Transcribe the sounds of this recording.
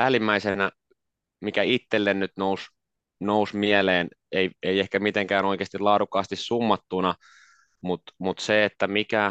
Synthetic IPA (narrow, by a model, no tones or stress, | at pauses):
ælimːæisenæ | mikæit̪ːelːennyt̪nous | nousmieleːneieiehkæmit̪eŋkæːnoikeːst̪ilɑːdukːˑɑːst̪issumːɑt̪ːunɑ | mut̪mut̪seet̪ːæmikæ